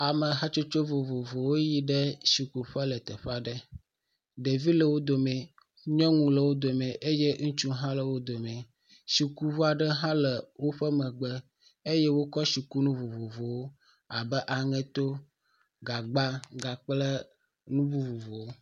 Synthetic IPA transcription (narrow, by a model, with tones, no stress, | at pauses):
a˨mə˨ɦa˦t͡ʃo˦t͡ʃo˦vo˨vo˨vo˨wo˦ji˦ɖɛ˦ʃi˨ku˨ɸə˦lə˨t̪ɛ˨ɸa˨ɖə˦ | ɖe˨vi˦lə˨wo˦d̪o˨mɛ̃˨ | ɲɔ̃˦ŋũ˦lə˨wo˦d̪o˨mɛ̃˨ʔe˦je˦ŋũ˦t͡ʃu˦ɦã˦lə˨wo˦d̪o˨mɛ̃˨ | ʃi˨ku˦vo˦a˨ɖə˦ɦã˦lə˨wo˦ɸə˦mɛ̃˨ɡ͡bɛ˦ | e˦jɛ˦wo˦kɔ˦si˨ku˦nũ˦vo˨vo˨vo˨wo˦ | a˨bɛ˦ʔa˨ŋɛ̃˦t̪o˦ | ɡa˨ɡ͡ba˦ɡa˨k͡plə˦ | nũ˦bu˦vo˨vo˨wo˦